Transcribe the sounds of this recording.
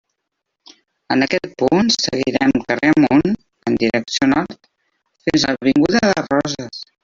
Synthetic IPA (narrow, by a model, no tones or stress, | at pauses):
ənəkɛt̪̚punsəɣiiɾɛmkəreəmun | ənd̪iɾəksionɔɾt̪ | finzəəβiŋɡuðəðərɔzəs